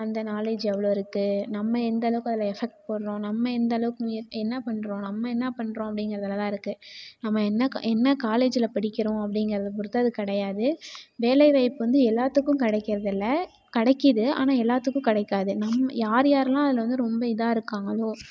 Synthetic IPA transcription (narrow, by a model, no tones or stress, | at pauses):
ɐnd̪ɐnaːleːd͡ʒɛʋːɐɭoːɪɾɯkːɯnɐmːɐɛnd̪ɐlɐʋɯkɐðɐlɐɛfɛk̚ʈ̚pɐɽɾõːnɐmːɐɛnd̪ɐlɐʋɯkʊ̃ɪɛnːɐpɐɳːɾõːnɐmːɐɛnːɐpɐɳːɾõːɐpːɐɽɪŋɡɪɾɐðɐlɐt̪ãːɪɾɯkːɯnɐmːɐɛnːɐɛnːɐkaːleːd͡ʒɪlɐpɐɽɪkːɪɾõːɐpːɐɽɪŋɡɪɾɐðɐp̬ɔɾɯt̪ːaːðɯkɐɽɐjaːðɯʋeːlɐɪʋɐɪpːɯʋɐnd̪ɯɛlːaːt̪ːɯkːʊ̃kɐɽɛɪkːɪɾɐðɪlːɐ | kɐɽɐkːɪðɯa̰ːnaːɛlːaːt̪ːɯkːʊ̃kɪɽɛɪkːaːðɯnɐmːɐjaːɾjaːɾɐlãːɐðɪlɐʋɐnd̪ɯɾɔmbɐɪðaːɪɾɯkːaːŋɡɐɭoː